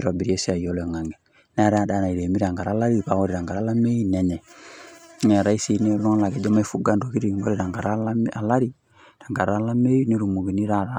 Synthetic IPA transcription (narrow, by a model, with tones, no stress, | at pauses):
ɾɔ˨bi˨ɾi˨e˦si˦a˨jɔ˦lɛ˨ŋa˨ŋɡɛ˨ | n˦a˦ɾɛ˦a˨da˨na˨i˨ɾe˨mi˦ɾa˨ŋɡa˨ɾa˨˦la˦ɾi˦pa˨˦wɔ˦ɾi˨ɾa˨ŋɡa˨ɾa˨˦la˦me˦i˦nɛ˨ɲɛ˨ | nɛ˨ɾa˦i˦si˦ne˦lɔ˦ŋ˦la˨ɡɛ˨d͡ʒɔ˦ma˦i˦fu˦ɡa˨ndo˨ki˦ɾi˨ŋɡo˦ɾi˦ɾa˨ŋɡa˨ɾa˦a˦a˨la˦ɾi˦ | ɾa˨ŋɡa˨ɾa˦la˦me˦i˦ne˦ɾu˨mu˨ɡi˨ni˦ɾa˦˨ɾa˨˦